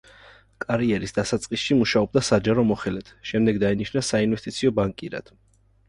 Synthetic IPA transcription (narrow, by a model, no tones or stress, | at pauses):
kʼaɾiɛɾisd̪̥asat̪sʼqʼisʃimuʃaɔb̚d̪asad͡ʒaɾɔmɔχɛlɛt̪ʰʃɛmd̪ɛɡd̪ainiʃnasainvɛst̪ʼit̪sʰiɔbaŋkʼiɾa̰d̪̥